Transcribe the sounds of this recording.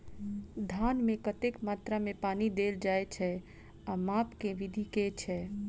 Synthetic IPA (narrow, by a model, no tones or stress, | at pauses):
d̪ʱaːnmẽkət̪ekmaːt̪ɾamẽpaːnid̪eːld͡ʒaːet͡ʃʰɛ | amaːpkeʋɪd̪ʱiket͡ʃʰɛ